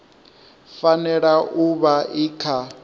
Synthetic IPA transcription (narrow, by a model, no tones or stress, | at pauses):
fanɛɺaʔuβaʔikʰa